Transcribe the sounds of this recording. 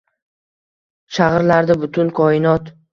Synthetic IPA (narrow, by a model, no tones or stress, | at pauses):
ʃaʁɾlaɾd̪abʊt̪ʰʊnkʰɒɪnɒt̪